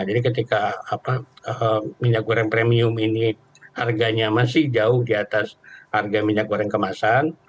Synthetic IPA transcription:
d͡ʒadikət̪ikaːpaəmiɲakuɾɛŋpɾemiʊmini | harɡaɲamas̬ɪhd͡ʒaʊhdiat̪asharɡamiɲakuɾɛŋkəmasan

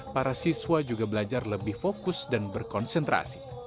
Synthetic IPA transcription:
paɾasiswad͡ʒuɡabəlad͡ʒarləbɪhfokʊsdanbərkɔnsənt̪ɾa̰si̥

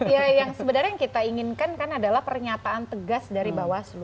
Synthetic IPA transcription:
jajaŋsəbənarɲaŋkit̪aiŋɪnkankanadalahpərɲat̪aːnt̪əɡasdaɾibawaslu

